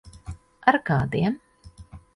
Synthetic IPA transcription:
aɾkaːd̪iɛm

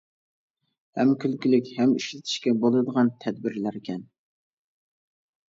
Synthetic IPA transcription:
hɛmkʲʰylkʲylɪkʲhɛmiʃlɪt̪ʰɪ̥ʃkʲɛbolˠɨd̪əʁɑnt̪ʰɛd̪bɪɾlæɾɪkʲɛn

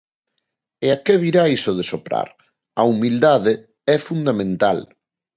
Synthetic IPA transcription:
eakeβiɾaisoð̞esopɾa̰ɾ | aumild̪aðe | ɛfund̪amẽnt̪al

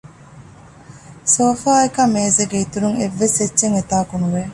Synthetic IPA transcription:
soːfaːekɐmeːzeɡeit̪uɾuŋeʋːeset͡ʃːʃeŋet̪aːkunuʋe

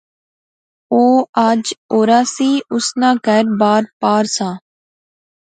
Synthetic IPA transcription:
oːaːd͡ʒoːɾaːsiːʔʊsnãːkəɾbaːɾpaːɾsãː

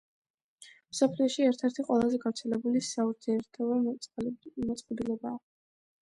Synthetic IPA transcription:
msɔpʰliɔʃiɛɾt̪ʰɛɾt̪ʰiqʼwɛlˠazɛɡavɾt̪sʰɛlɛbulisauɾd̪iɛɾt̪ʰɔ | mɔt̪sʼqʼɔb̪ilɛbaː

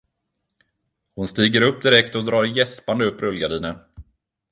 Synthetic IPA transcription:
hʊnst̪iːɡəɾɵp̚ːd̪ɪɾɛkt̪ɔd̪ɾɑːɾjɛspand̪əɵpːɾɵlɡad̪iːnə

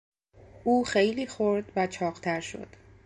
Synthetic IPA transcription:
ʔuːxejliːxo̞ɾd̪væt͡ʃʰɒːɢt̪ʰæɾʃo̞̰d̪̥

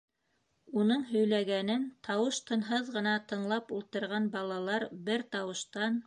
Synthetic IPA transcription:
unɤɴɦɵ̆jlæɡænɘnt̪ʰɑwɤʃt̪ɤ̆nɦɤðʁɤ̆nɑt̪ɤ̆ɴlˠɑpulˠt̪ɤ̆ɾʁɑnbɑlˠɑlˠɑɾbɘɾt̪ɑwɤ̆ʃt̪ɑn

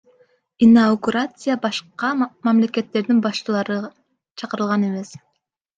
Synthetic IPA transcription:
inawɡuɾat̪sɨjabɑʃqɑmɑmle̞ke̞t̪ːe̞ɾd̪inbɑʃt͡ʃɯlˠɑɾɯ | t͡ʃʰɑqɯɾɯlˠʁɑne̞me̞s

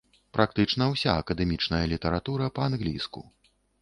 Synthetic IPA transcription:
pɾʔakt̪ɨt͡ʂnɐwsʲa̰ɐkɐd̪ɛmʲit͡ʂnɐjɐlʲit̪ɐɾat̪uɾɐpɐanɣlʲḭskṵ

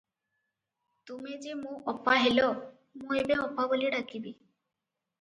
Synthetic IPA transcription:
t̪umed͡ʒemũʔɔpːaɦelɔ | mũebeɔpaboliɖakibi

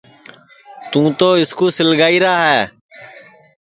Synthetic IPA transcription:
t̪ũːt̪oːɪskuːsɪlɡaːiːɾaːɦɛː

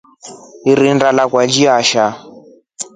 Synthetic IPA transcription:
iɾindalakwad͡ʒiaʃa

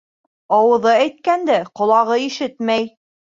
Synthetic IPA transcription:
ɑwɤ̆ðɤæjt̪̚kænd̪æqŏlˠɑʁɤiʃɘt̪mæj

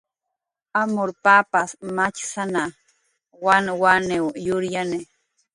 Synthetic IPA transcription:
amʊɾpapasmat͡ʃsana | wanwanewjʊɾjane

